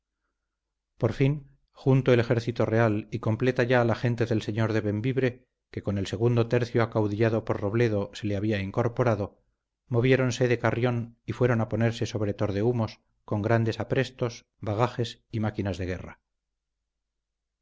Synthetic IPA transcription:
po̞ɾfin | xunt̪oe̞le̞xe̞ɾθit̪o̞re̞aliko̞mple̞t̪aʝaːlaxe̞nt̪e̞ðe̞lse̞ɲo̞ɾðe̞βe̞mbiβɾe̞ | ke̞ko̞ne̞lse̞ɣ̞und̪o̞t̪e̞ɾθjoakawðiʎaðo̞po̞ɾro̞βle̞ð̞o̞se̞leaβiaiŋko̞ɾpo̞ɾaðo̞ | mo̞β̞je̞ɾo̞nse̞ðe̞karjo̞nifwe̞ɾo̞napo̞ne̞ɾse̞so̞βɾe̞t̪o̞ɾðe̞umo̞s | ko̞ŋɡɾand̪e̞sapɾe̞st̪o̞s | βaɣ̞axe̞simakinazðe̞ɣ̞e̞̰ra̰

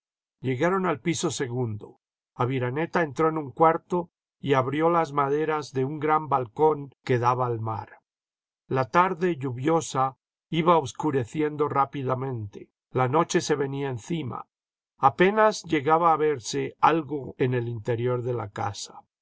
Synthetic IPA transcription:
ʎe̞ɣaɾo̞nalpiso̞se̞ɣund̪o̞̰ | aβiɾane̞t̪ae̞nt̪ɾo̞enuŋkwaɾt̪o̞ | iaβɾjo̞lazmaðe̞ɾazðe̞uŋɡɾambalko̞ŋke̞ðaβaːlma̰ɾ | lat̪aɾðe̞ʎuβjo̞sa | iβaoβskuɾe̞θje̞nd̪o̞rapiðamẽ̞nt̪e̞̥ | lano̞t͡ʃe̞se̞βe̞niaenθima̰ː | pe̞nazʝe̞ɣaβaːβe̞ɾse̞alɣo̞ene̞lint̪e̞ɾjo̞ɾðe̞la̰ka̰sḁ

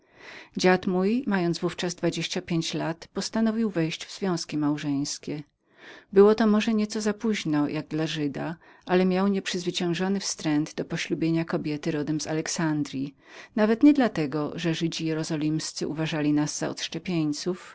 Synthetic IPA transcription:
d͡ʑat̪mujmajɔnzvuft͡ʂazd̪vad͡ʑeɕt͡ɕapʲjeɲt͡ɕlat̪pɔst̪anɔvʲiwvɛjɕd͡ʑvz̥vʲjɔ̃w̃skʲimawʐɛj̃skʲɛ | bɘwɔt̪ɔmɔʐɛɲɛt̪sɔzapuʑnɔjʔaɡ̚d̪laʐɘd̪aʔalɛmʲjawɲɛpʂɘzvɘt͡ɕɛ̃w̃ʐɔnɘfst̪ɾɛnd̪d̪ɔpɔɕlubʲjeɲakɔbʲjɛt̪ɘɾɔd̪ɛmz̥a̰lɛksand̪ɾʲji | navɛt̪ɲɛd̪lat̪ɛɡɔʐɛʐɘd͡ʑijɛɾɔzɔlʲimst̪sɘʔuvaʐalʲinazːa̰ɔ̰t̪ʂt͡ʂɛpʲjeɲt̪suf

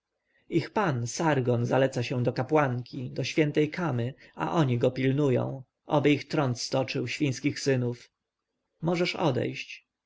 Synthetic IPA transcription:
ixpansaɾɡɔnzalɛt̪saɕɛ̃d̪ɔkapwaŋkʲid̪ɔɕfʲjɛnt̪ɛjkʰamɘa̰ʔɔɲiɡɔpʲilnujɔ̰̃w̃ | ʔɔ̰bɘixt̪ɾɔnt̪st̪ɔt͡ʂɘwɕfʲĩj̃skʲixsɘnuf | mɔʐɛʂɔ̰d̪ɛ̰jɕt͡ɕ

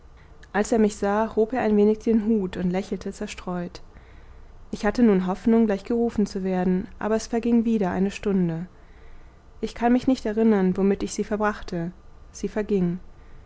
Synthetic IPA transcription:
ʔalseːɐmɪçz̥aːhoːpeːɐaɪnveːnɪçd̥eːnɦuːtʊntlɛçl̩tʰət͡sɛɐʃtʁ̥ɔʏt | ʔɪçhatənuːnɦɔfnʊŋɡlaɪçɡ̥əʁuːfn̩t͡suveːɐdn̩ʔa̰ːbɐɛsfɛɐɡɪŋviːɾɐʔa̰ɪnəʃtʊndə | ʔɪçkʰanmɪçnɪçtɛɐʁɪnɐnvomɪtɪçz̥iːfɛɐbʁaχtʰəz̥iːfɛɐɡɪŋ

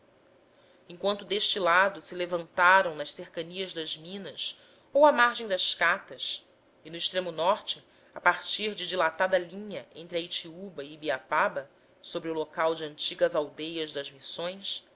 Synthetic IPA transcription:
ẽŋkwɐ̃nt̪ʊd̪eʃt͡ʃilad̪ʊsɪlevɐ̃nt̪aɾɐ̃w̃nɐʃsehkɐniɐzd̪ɐzmĩnɐs | owɐmaɾʒẽj̃d̪ɐʃkat̪ɐs | ɪnʊiʃt̪ɾẽmʊnɔɾt͡ʃɪ | apaɾt͡ʃiɾd͡ʒɪd͡ʒilat̪ad̪ɐlĩɲɐʔẽnt̪ɾɪɐit͡ʃiubɐibiapabɐ | sobɾɪʊlokawd͡ʒɪɐ̃nt͡ʃiɡɐzawd̪ejɐzd̪ɐzmisõj̃s

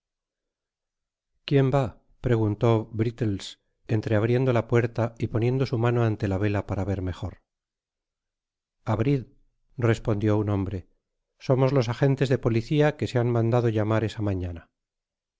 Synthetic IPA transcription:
kje̞mba | pɾe̞ɣunt̪o̞bɾit̪els | e̞nt̪ɾe̞aβɾje̞nd̪o̞lapwe̞ɾt̪aipo̞nje̞nd̪o̞sumano̞ant̪e̞laβ̞e̞lapaɾaβe̞ɾmexo̞ɾ | aβɾið | re̞spo̞nd̪jo̞unõ̞mbɾe̞ | so̞mo̞zlo̞s̬aχe̞nt̪e̞zðe̞po̞liθiake̞seanmãnd̪aðo̞ʎamaɾe̞samãɲana

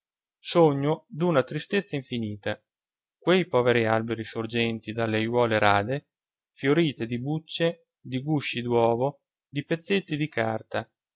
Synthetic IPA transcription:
soɲːod̪unat̪ɾist̪et̪sːaiɱfiniːt̪a | kwejpɔːveɾialbeɾisord͡ʒɛnt̪id̪alːejwɔːleɾaːd̪e | fjoɾiːt̪ed̪ibut͡ʃːe | d̪iɡuʃːid̪wɔːvo | d̪ipet̪sːet̪ːid̪ikʰa̰rt̪a

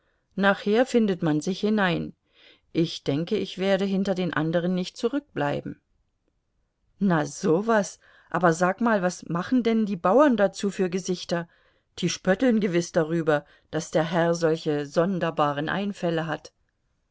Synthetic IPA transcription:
naːχheːɐfɪndətmanzɪçhɪnaɪn | ʔɪçd̥ɛŋkəɪçv̥eːɐɾəɦɪntɐdeːnʔa̰ndəʁ̞ənːɪçt̚t͡suʁʏk̚b̥la̰ɪbm̩ | naz̥oːvas | ʔa̰ːbɐzaːkmaːlvasmaχn̩dɛndiːbaʊɐndat͡suːfyːɐɡəzɪçtɐ | d̥iːʃpœtl̩nɡəvɪsd̥aʁ̞yːbɐ | d̥asd̥eːɐɦɛɐzɔlçəzɔndɐbaːʁ̞ənʔa̰ɪnfɛləɦat

